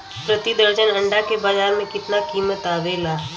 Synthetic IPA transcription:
pɾət̪id̪əɾd͡ʒənɐ̃ɳɖakebaːd͡ʒaːɾmẽkɪt̪nakiːmət̪aːʋeːlaː

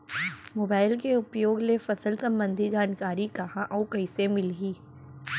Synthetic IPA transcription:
moːbaːɪlkeʊpjoːɡlefɐsəlsɐ̃mbə̃nd̪ʱid͡ʒaːnkaːɾikɐɦãʔɔːkɐɪsemɪlɡiː

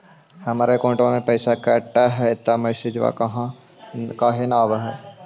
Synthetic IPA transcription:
hɐmaːɾekõːʈamẽpɛːsakɛːʈːaɦɛt̪ːamɛːsed͡ʒʋa̰kɐɦã | kaːɦenaːʋɦɛː

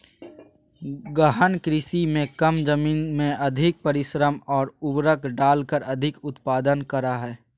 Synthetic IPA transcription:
ɡəɦənkɾɪsimẽkəmd͡ʒəmiːnmẽʔɐd̪ʱɪk̚pəɾɪʃɾəmɔːɾʊbɾəkɖaːlkəɾɐd̪ʱɪkʊt̪paːd̪ənkəɾaɦɛː

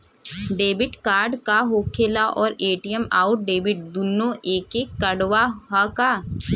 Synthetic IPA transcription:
ɖeːbɪʈkaːɾɖkaɦoːkʰeːlaʔɔːɾeːʈijəmaːʊʈ̚ɖeːbɪʈ̚d̪unːõʔeːkekːəɽwaɦakaː

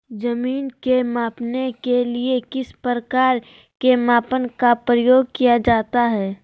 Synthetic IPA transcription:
d͡ʒɐmiːnkemaːpnekeliekɪspɾəkaːɾ | kemaːpənkapɾəjoːɡ̚kijad͡ʒaːt̪aɦɛː

